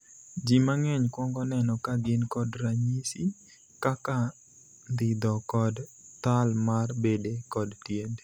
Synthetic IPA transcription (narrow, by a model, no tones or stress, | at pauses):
d͡ʒimaŋɛɲkwɔŋɡɔnɛnɔkaɡɪnkɔdɾaɲisi | kaka | d̪ɪd̪ɔkɔdt̪almarbedekɔdtjend